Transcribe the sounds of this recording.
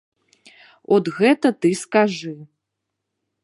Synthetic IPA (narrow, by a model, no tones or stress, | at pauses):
ɔd̪ɣɛt̪ɐt̪ɨskaʐɨ